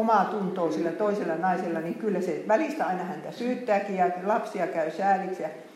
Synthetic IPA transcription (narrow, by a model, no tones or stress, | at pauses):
omɑˑt̪unt̪oːsilːæt̪oiselːɑnɑiselːɑniŋkylːæseʋælist̪æɑinɑhænt̪æsyːt̪ːæːkijɑlɑpsiɑkæysæːliksjɑ